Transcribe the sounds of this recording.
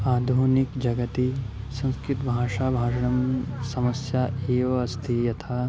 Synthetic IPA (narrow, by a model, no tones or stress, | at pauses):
aːd̪ʱunikd͡ʒɐɡɐt̪i | sɐ̃nskɾɪt̪bʱaːʂaːbʱaːʂɐɳɐmsɐmɐsjaːeːʋɐɐst̪ʰijɐt̪ʰaː